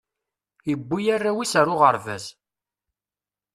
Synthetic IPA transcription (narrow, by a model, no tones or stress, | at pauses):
jəbːijarːawisaɾʊʁəɾvæ̰z